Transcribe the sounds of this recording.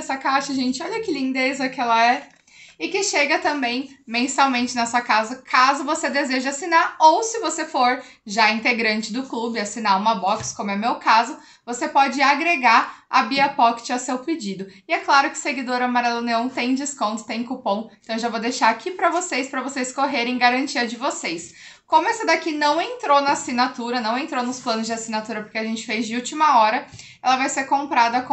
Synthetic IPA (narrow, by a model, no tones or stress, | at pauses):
sɐkaʃɐʒẽnt͡ʃɪɔʎɐkɪlĩnd̪ezɐkɪɛlɐɛ | ɪkɪʃeɡɐt̪ɐ̃mbẽj̃mẽsawmẽnt͡ʃɪnɛsɐkazɐkʰazʊvosed̪ezeʒɐasinaɾowsɪvosefoɾ | ʒaĩnt̪eɡɾɐ̃nt͡ʃɪd̪ʊklubɪasinaɾũmɐbɔkskõmʊɛmewkazʊ | vosepɔd͡ʒɪaɡɾeɡaɾɐbiɐpɔkɪ̥t͡ʃɪasewpɪd͡ʒid̪ʊɪɛklaɾʊkɪ̥seɡid̪oɾɐmaɾɛloneõw̃t̪ẽj̃d͡ʒɪskõnt̪ʊ̥t̪ẽj̃kupõw̃ẽt̪ɐ̃w̃ewʒawvod̪ejʃaɾakʰipɾɐvosejspɾɐvosejskoɦeɾẽj̃ɡaɾɐ̃nt͡ʃiɐd͡ʒɪvosejskõmʊɛsɐd̪akinɐ̃w̃ẽnt̪ɾonɐasinat̪uɾɐnɐ̃w̃ẽnt̪ɾonʊsplɐ̃nʊzd͡ʒɪasinat̪uɾɐpʊɾkʲeaʒẽnt͡ʃɪ̥fejzd͡ʒɪuwt͡ʃimɐɔɾɐ | ɛlɐvajseɾkõmpɾad̪ɐk